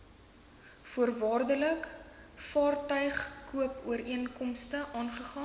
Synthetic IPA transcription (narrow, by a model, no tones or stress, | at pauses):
fuərvɑːrdələkfɑːrtœɥχkuəpuəɾiənkɔmstəʔɑːnχəχɑːn